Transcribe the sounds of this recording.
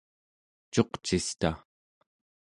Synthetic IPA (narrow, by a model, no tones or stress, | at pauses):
t͡ʃo̞qt͡ʃist̪a̰